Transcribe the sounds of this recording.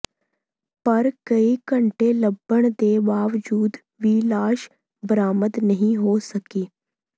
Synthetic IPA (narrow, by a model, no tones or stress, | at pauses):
pəɾkəikəɳʈeləbːəɳ̃d̪eːʋaːʋd͡ʒuːd̪ | ʋiːlaːʃ | bəɾaːməd̪nəɦĩɦoːsəkiː